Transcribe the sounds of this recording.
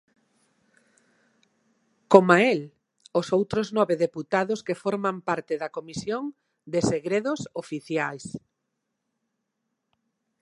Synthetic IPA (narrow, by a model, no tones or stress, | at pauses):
komael | ʊsowt̪ɾoznɔβeðeput̪aðʊskefɔɾmampaɾt̪ɪðɐkomisjoŋ | d̪eseɣɾeðʊsofiθjajs